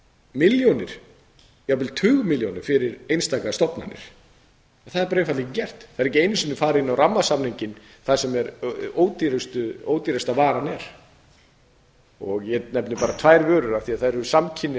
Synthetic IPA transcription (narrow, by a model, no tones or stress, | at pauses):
mɪljonɪɾ̥ | japɪlt̪ʰʏːɣʏmɪljonɪɾ̥fɪɾɪɾejnst̪aːkast̪ɔpna̰nːɪ̰ɾ̥ | ɛnθaðɛɾp̬ːɾjnfat̪liccɛr̥t̪θaðɾɛc̬ɪejnɪsʏnːʏfaːɾɪɪnːawramːasamniɲcɪn | θaðsɛmɛɾoːwt̪iɾɪst̪ʏowt̪iɾast̪avaːɾanɛɾ̥ | ɔɣjɛnɛpnɪpaːɾat̪ʰvaːjɾvœːɾʏɾaθiaðθaðɛɾʏsamcʰɪnːɪ